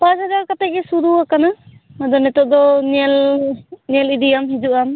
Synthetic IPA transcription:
pazadaɾkatajkesuduakana | madɔnɛtɔʔ̚d̪ɔnl | nelidijamɦizuʔam

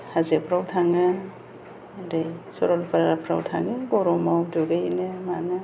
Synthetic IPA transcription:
hazepʰɾawtʰaŋɯ | ɾejsɔɾɔlpaɾaɾapʰɾa̰wtʰa̰ŋɯɡɔɾɔmawdoɡajnɯmaŋɯ

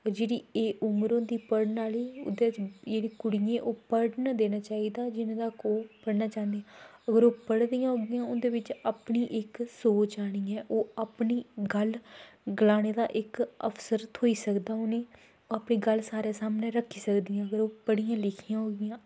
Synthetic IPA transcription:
ɔːɾd͡ʒeːɽiːeːʔʊmɾõːd̪iːpəɽnaːliːʊ̰d̪eːɪt͡ʃd͡ʒeːɽĩːkʊɽijẽːʔoːpəɽnad̪eːnaːt͡ʃaːiːd̪aːd͡ʒɪnãːd̪aːkoːpəɽnaːt͡ʃãːnd̪eːãːəɡəɾoːpəɽd̪ijãːɦoːɡɪjãːʊnd̪eːʋɪt͡ʃaːpɳiːʔɪksoːt͡ʃaːɽ̃iːɛ̃ːʔoːapniːɡəlɡəlaːñeːd̪aːʔɪkə̰pʰsəɾt̪ʰoːiːsəkd̪aːoːnẽː | oːapɳiːɡəlsaːɾeːsaːmneːɾəkʰːiːsəkd̪ijãːəɡəɾoːpəɽijãːlɪkʰɪjãːɦoːɡɪjãː

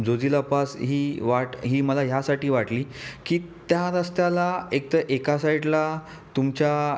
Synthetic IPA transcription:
d͡zod͡zilapasɦiːʋaʈɦiːməlaɦjasaʈiːʋaʈliːkiːt̪jaɾəst̪jalaek̚t̪əʔekasaiʈla | t̪umt͡ɕa

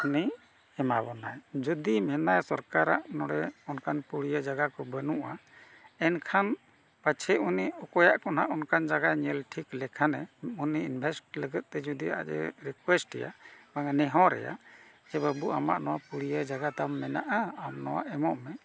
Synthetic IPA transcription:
uni | ɛmabɔna̰jd͡ʒɔd̪imɛnajsɔɾkaɾaʔnɔɽɛɔnkʰanpuɽijəd͡ʒaɡakɔbənuʔa | ɛnkʰan | pat͡ʃʰɛʔuniɔkɔjaʔkɔnaʔɔnkʰand͡ʒaɡaɲɛlʈʰiklɛkʰanɛuniinbʱɛsʈ̚ləɡət̪̚ˀt̪ɛd͡ʒɔd̪ia̰ʔɛ̰ɾikwɛsʈɛ̰ja̰baŋanɛɦɔ̃ɾɛ̰ja̰ | d͡ʒɛbəbuʔama̰ʔnɔwapuɽijəd͡ʒaɡat̪amːɛnaʔaːmnɔwa̰ʔɛmɔʔmɛ

